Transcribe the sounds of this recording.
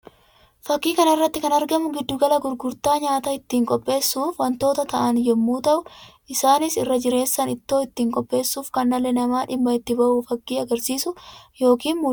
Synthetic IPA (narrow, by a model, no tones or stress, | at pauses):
fɐkːiːkɐnɐɪrːɐt̪ːɪkɐnɐɾɡɐmʊɡɪd̪ːʊɡɐlɐɡʊɾɡʊɾt̪aːɲaːt̪ɐɪt̪ːiːŋkʼɔpʼːe̞ːsːuːfwɐnt̪o̞ːt̪ɐt̪ɐʔɐnjɛmːuːt̪ɐʔʊʔɪsaːnɪsɪrːɐd͡ʒɪɾe̞ːsːɐnɪt̪ːo̞ːɪt̪ːiːŋkʼɔpʼːe̞ːsːuːfkɐnːɐlːɛnɐmaːᶑɪbːɐɪt̪ːɪbɐʔufɐkːiːɐɡɐɾsiːsʊjo̞ːkiːnmu